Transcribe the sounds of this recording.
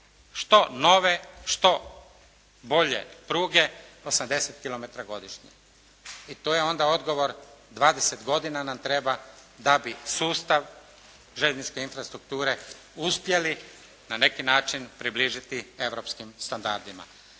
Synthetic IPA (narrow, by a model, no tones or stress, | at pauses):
ʃt̪o̞no̞ʋe̞ʃt̪o̞ | bo̞ʎe̞̰pɾuːɡe̞o̞samd̪e̞set̪kilo̞me̞t̪ɾaɡo̞d̪iʃɲḛ | it̪oːje̞o̞nd̪ao̞d̪ɡo̞ʋo̞ɾd̪ʋaːd̪e̞set̪ɡo̞d̪inanamt̪ɾe̞bad̪abisuːst̪aʋ | ʒeʎʲnit͡ʃke̞infɾast̪ɾuk̚t̪uːɾe̞ | uspje̞li | nane̞kinaːt͡ʃinpɾibliːʒit̪ie̞ʋɾo̞pskimst̪and̪a̰ɾd̪ima̰